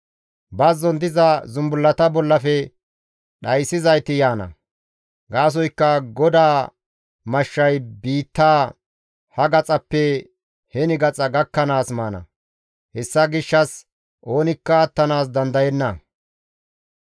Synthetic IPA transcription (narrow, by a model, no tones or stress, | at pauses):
bɐzɔnd̪ɪzɐzʊmbʊlːɐt̪ɐbɔlːɐfɛ | ɗɐjsɪzɐjt̪ɪjaːnɐ̰ | ɡaːs̬ɔjkːɐɡɔd̪aː | mɐʃːɐjbiːt̪ːaː | hɐɡɐt͡sʼɐpːɛ | hɛnɪɡɐt͡sʼɐɡɐkːɐnaːsmaːnɐ̰ | hɛsːɐɡɪʃːɐs | ʔo̞ːnɪkːɐːt̪ːɐnaːs̬d̪ɐnd̪ɐjɛnːɐ